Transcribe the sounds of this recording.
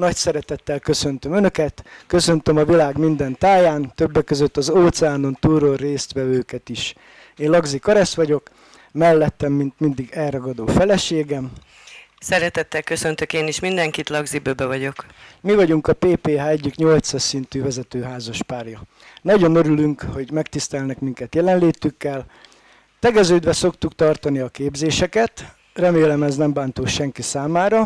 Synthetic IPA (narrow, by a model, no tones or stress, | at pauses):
nɒcsɛɾɛt̪ɛt̪ːɛlkø̞sø̞nt̪ø̞mønø̞kɛt̪kø̞sø̞nt̪ømɒvilaːɡmind̪ɛnt̪aːjaːnt̪ø̞bːɛkːøzø̞t̪ːɒzoːt̪sɛaːno̞nt̪uːɾoreːst̪ʋɛvøːkɛt̪iʃ | eːnlɒɡzikɒɾɛst̪ʋɒɟo̞k | mɛlːɛt̪ːɛmːint̪mind̪iɡɛlrɒɡɒd̪oːfɛlɛʃeːɡɛm | sɛɾɛt̪ɛt̪ːɛlkø̞sønt̪økeːniʃmind̪ɛŋkit̪lɒɡzibøbɛvɒɟo̞kmivɒɟuŋkɒpeːpeːɦaːɛɟːikɲo̞lt̪sɒsint̪yːvɛzɛt̪øːɦaːzɒʃpaːrjɒ | nɒɟo̞nøɾylyŋkho̞ɟmɛkt̪ist̪ɛlnɛkmiŋkɛt̪jɛlɛnleːt̪ykːɛl | t̪ɛɡɛzøːd̪ʋɛso̞kt̪ukt̪ɒrt̪ɒniɒkeːbzeːʃɛkɛt̪ | rɛmeːlɛmɛznɛmbaːnt̪oːʃɛŋkisaːmaːɾɒ